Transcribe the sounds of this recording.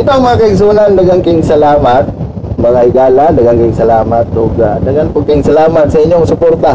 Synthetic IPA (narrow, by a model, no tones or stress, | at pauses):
ʔɪt̪oɐŋmɐŋakɐɪɡs̬uːnɐnd̪ɐɡɐŋkɪŋsɐlaːmɐt̪̚ | mɐŋahɪɡaːland̪ɐɡɐŋkɪŋsɐlaːmɐt̪̚doɡad̪ɐɡɐnpɐɡ̚kɪŋsɐlaːmɐt̪̚sɐʔɪɲjoŋsʊpoɾt̪a